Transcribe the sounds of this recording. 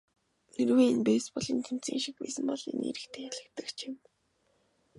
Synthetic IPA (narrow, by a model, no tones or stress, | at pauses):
erweːinpeːspɔɮiːnt̪ʰem̥t͡sḭːŋʃik̚pæ̰ːsɘ̆mpɔɮḛnḛɾɘ̆kt̪ʰeːxæɮɘ̆kt̪ə̆kt͡ɕʰim